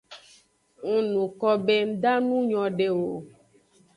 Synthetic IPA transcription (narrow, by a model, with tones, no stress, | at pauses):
ŋu˨nũ˨kɔ˦be˦n̩˦d̪a˦nũ˦ɲɔ̃˨ɖe˨wo˨